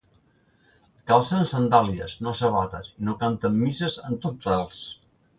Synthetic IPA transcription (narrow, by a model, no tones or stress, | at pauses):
kalˠsənsənd̪aliə̰znosəβ̞at̪əsinokant̪əmːisəzənt̪oralˠs